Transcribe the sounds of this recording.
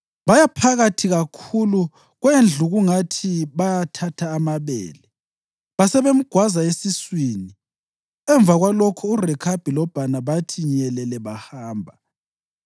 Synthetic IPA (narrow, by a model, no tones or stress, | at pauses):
βajapʰaɣatʰiɣakʰulu | ɣwend͡ɮʱuɣuŋatʰiβajatʰatʰaːmaβɛ̰ːlɛ | βasɛβem̩ɡ̥ʱwazaesiswiːni | ɛɱvʱaɣwalɔkʰɔurɛkʰab̥ʱilɔb̥ʱanaβatʰiɲɛlɛlɛβahaːmbʱa